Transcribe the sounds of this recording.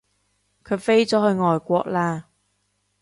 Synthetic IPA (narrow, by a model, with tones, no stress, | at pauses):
kʰɵ˨˧ɥfe˥jt͡sɔː˨˥hɵ˧ɥŋɔː˨jkʷɔː˧k̚laː˧